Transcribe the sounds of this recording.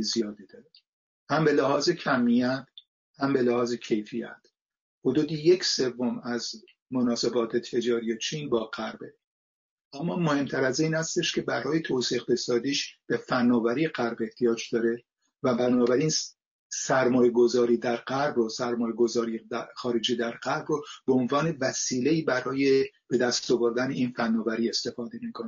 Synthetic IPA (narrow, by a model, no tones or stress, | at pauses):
zijɒːd̪id̪ɒːɾe | hæmbe̞læhɒːze̞cʰæmːijæt̪ʰ | hæmbe̞læhɒːze̞cʰe̞jfijæ̰t̪ʰ | hod̪uːd̪ijecʰse̞vːomæz | monɒːse̞bɒːt̪ʰe̞t̪ʰe̞d͡ʒɒːɾijet͡ʃʰiːnbɒːɡæɾbe | ʔæmːɒːmohe̞mt̪ʰæɾæziːnhæst̪e̞ʃkʲʰe̞bæɾɒːje̞t̪ʰosiːxbesɒːd̪iːʃb̥e̞fænːɒːvæɾijeɢæɾbe̞ht̪ʰijɒːd͡ʒd̪ɒːɾe̞ | væbænɒːbæɾiːn | sæɾmɒːjeɡo̞zɒːɾiːd̪æɾɢæɾbrosæɾmɒːje̞ɡo̞zɒːɾieæxɒːɾe̞d͡ʒiːd̪æɾɢæɾbɾobeonvɒːne̞væsiːleiːbæɾɒːjeb̥e̞d̪æst̪ovo̞ɾd̪æneiːnfænːɒːvæɾiːe̞st̪e̞fɒːd̪e̞miːkʰone